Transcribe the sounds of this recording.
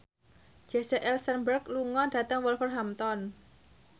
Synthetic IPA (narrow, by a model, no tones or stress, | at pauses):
d͡ʒ̥ɛsɛʔɛlsənbərkluŋɔɖ̥ä̤t̪əŋwɔlfərɦamt̪ɔn